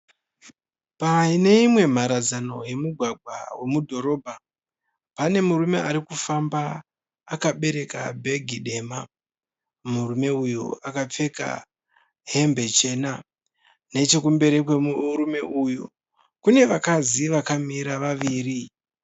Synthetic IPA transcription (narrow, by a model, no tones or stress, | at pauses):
paine̞imwe̞m̤aɾad͡zano̞je̞muɡʱwaɡʱwa̰we̞mudʱo̞ɾo̞ːbʱa | pane̞muɾume̞aɾikufambaː | kaɓe̞ɾe̞ka̰bʱe̞ɡʱiɗe̞ma | murume̞ujṵakap͡fe̞ka̰ | ɦe̞mbe̞t͡ʃe̞na | ne̞t͡ʃe̞kumbe̞ɾekwemuɾume̞ʔujṵ | kune̞ʋakaziʋakamiɾaʋaʋiːɾi